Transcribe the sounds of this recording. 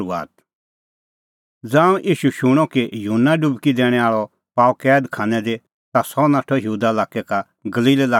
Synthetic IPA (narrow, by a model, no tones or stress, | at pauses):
ua̰ːt̪̚ | d͡zãːũʔiːʃuʃʊɽ̃ɔkejunːaɖʊbkid̪ɛːɽ̃ɛ̃aːɭɔ | paːukɛːd̪kʰaːnɛd̪e | t̪asɔnaːʈʰɔjuːd̪alaːkɛka | ɡɐliːllaː